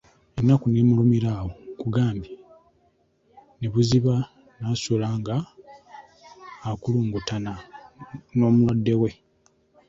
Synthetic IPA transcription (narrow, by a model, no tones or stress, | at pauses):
enːakuneːmulumiɾawokuɡaːmbi | neβuziβa | naːsulaːŋɡa | kuluːŋɡutana | no̞ːmulwadːe̞we̞